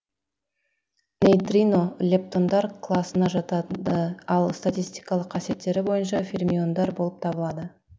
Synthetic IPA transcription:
nʲejt̪ɾʲino̞lʲe̞p̚t̪o̞nd̪ɑɾkʰlˠɑsənɑʒɑt̪ɑd̪əɑlˠst̪at̪ʲijst̪ijkɑlˠəqʰːɑsje̞t̪ːe̞ɾɪbo̞jənʃ̬ɑfʲilʲmʲio̞nd̪ɑɾbo̞lˠəp̚t̪ʰɑbəlˠɑd̪ə

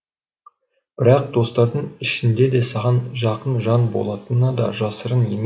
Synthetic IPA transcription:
b̥ɪɾɑq̚d̪̥o̞st̪ɑɾd̪əɴɪʃɪnd̪e̞d̪e̞sɑʁɑnʒɑqənʒɑnbo̞̰lˠɑt̪ənːɑd̪ɑ̰ʒɑsəɾənje̞m

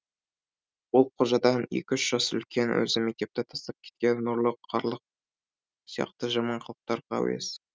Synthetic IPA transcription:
wolˠqʰoʒɑd̪ɑnjḛkʲɪʏʃʒ̥ɑsʏ̰lkʲe̞nwɵ̰zɪmek̚t̪e̞p̚t̪et̪ʰɑ̥st̪ɑp̚kʲʰe̥t̪̚kʲe̞nːʊɾlˠəqʰːɑɾlˠəq̚ | sijɑ̰qt̪əʒɑmɑɴqʰəlˠəq̚t̪ɑɾqʰɑ̰w̰ḛs

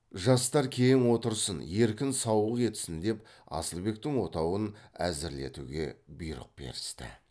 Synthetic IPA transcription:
ʒɑst̪ɑɾkʲʰe̞jɪŋwo̞t̪əɾsənje̞ɾkʲɪnsɑwəqe̞t̪ɪ̥sɪnd̪e̞p | ɑ̰səlˠbe̞k̚t̪ɪŋwo̞t̪ɑwənæ̰zɪɾle̞t̪ṵɡʲe̞̰bʊjɾə̰q̚be̞̰ɾɪst̪ɪ̰

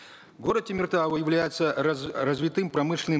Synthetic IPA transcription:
ɡoɾət̪tʲɪmʲɪrt̪avɔjɪvlʲæjɪt̪sɐrɐzʲvʲit̪ɨmpɾɐmɨʂlʲɪnɨ

